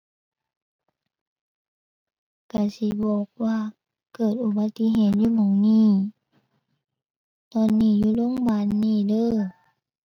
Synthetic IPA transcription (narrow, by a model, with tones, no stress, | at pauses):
ka˧˩si˧˦bɔː˨˩k̚waː˧˨ | kɤː˨˩t̪̚ʔu˧˦ba˧t̪ːi˧˥ɦeː˨˦t̪̚juː˧˨mɔ˨˦ŋniː˧˥˩ | t̪ɔː˧˨nːiː˧˩˨juː˧˨lo˧˥˨ŋbaː˧˨nːiː˧˩˨lɤː˧˥˨